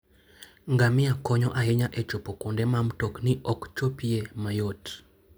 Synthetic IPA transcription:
ŋɡamɪakɔɲɔʔaɦɪɲaʔɛt͡ʃopokondɛmamtokniʔɔkt͡ʃopiemajot

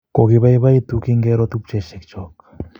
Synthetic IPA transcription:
koɣiβajβajt̪ukiŋɡeɾot̪up̚t͡ʃeʃekt͡ʃok

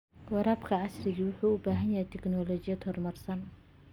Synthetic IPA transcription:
ɐɾaːbkʰɐʕɑsrɪɣiːwʊħuːʊbaːɦɐnjɐɦɛjt̪ʰɛknɔːlɔːt͡ʃɪjɐd̪hɔrmɐrsɐn

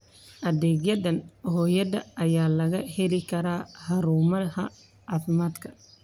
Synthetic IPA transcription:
ʔɐðɛːɡjɐdɐnhɔːjɐðɐ̰ɐjaːlɐɣɐhɛlɪkʰɐɾaːhɐɾuːmɐhɐ̰ | ʔaːfɪmaːd̪kʰɐ̥

